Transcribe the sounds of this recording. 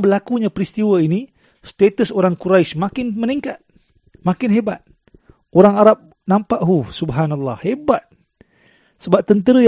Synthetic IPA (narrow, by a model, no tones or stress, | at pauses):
bəlakuɲapəɾist̪iwaini | st̪et̪əsoɾaŋkuɾaismakɪnməniŋkat̪̚ | makɪnɦeba̰t̪̚ | oɾaŋaɾap̚ | nampaʔɦusubɦanalːɑhebat̪̚ | səbap̚t̪ənt̪əɾəj